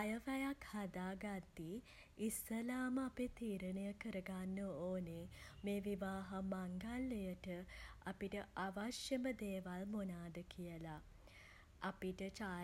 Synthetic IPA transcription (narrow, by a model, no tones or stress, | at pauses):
ajəʋæjakhad̪aːɡad̪ːi | isːəlaːməapet̪iːɾəɳəjəkəɾəɡanːəoːnemeːʋiʋaːɦamaŋɡalːejəʈəapiʈəaʋaʃjəməd̪eːʋalmonaːd̪əkijəlaː | piʈət͡ʃa